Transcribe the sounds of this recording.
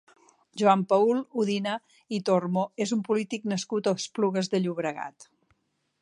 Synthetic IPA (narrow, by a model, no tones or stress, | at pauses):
ʒuampaulˠuðinə | it̪ormoezumpulit̪iknəskut̪əspluɣəzðəʎuβɾəɣa̰t̪